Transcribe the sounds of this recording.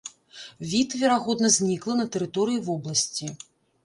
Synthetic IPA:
vʲit̪vʲɛɾaɣɔd̪nɐzʲnʲiklˠɐnɐt̪ɛɾɨt̪ɔɾɨjivɔblˠɐsʲt͡sʲi

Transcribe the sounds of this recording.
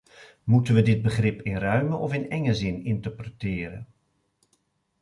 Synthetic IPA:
mutənʋədɪd̚bəχrɪpɪnrœɥməʔɔfɪnɛŋəzɪnɪntəɹprətɪːɾə̰

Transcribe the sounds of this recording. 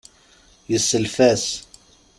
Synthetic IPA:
jəsːəlfæs

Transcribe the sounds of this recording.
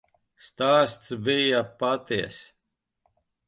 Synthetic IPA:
st̪aːst̪t͡svijapat̪iɐ̰s

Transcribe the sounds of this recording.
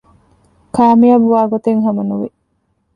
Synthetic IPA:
kʰaːmiɐbuʋaːɡot̪eŋɦɐmɐnuʋi

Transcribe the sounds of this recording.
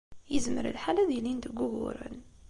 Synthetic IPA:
jəzmə̰ɾə̰lħalæðilind̪əɡːʊɣʊ̰ɾə̰n

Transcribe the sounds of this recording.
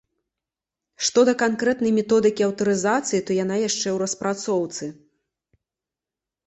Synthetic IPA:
ʂt̪ɔd̪ɐkankɾɛt̪nɐjmʲɛt̪ɔd̪ɨkʲiɐwt̪ɐɾɨzat̪sɨjit̪ɔjanajaʂt͡ʂɛwɾɐspɾat̪sɔwt̪sɨ

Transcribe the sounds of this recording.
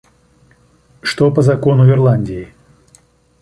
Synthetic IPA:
ʂt̪opəzɐko̞nʊɪrlˠanʲdʲɪɪ

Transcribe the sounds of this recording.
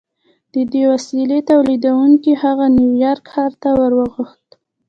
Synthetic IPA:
d̪̥əd̪ewasilet̪awlid̪awuŋkihaɣanjuwjɑɾkhɑɾt̪awəɾwəɣuxt̪

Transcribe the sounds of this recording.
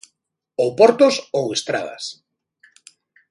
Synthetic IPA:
owpɔɾt̪osowest̪ɾa̰ðɐ̰s

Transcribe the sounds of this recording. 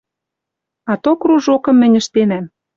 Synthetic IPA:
ɑt̪okruʒokɤ̆mːɘ̆nʲə̆ʃt̪enæm

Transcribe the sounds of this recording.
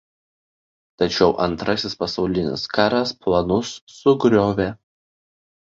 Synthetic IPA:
t̪ɐt͡ʃʲɛʊʔɐnt̪ɾɐsʲɪspɐsɒʊlʲɪnʲɪ̰skɑːɾɐsplˠɐnʊsːʊɡɾʲoːʋʲɛ

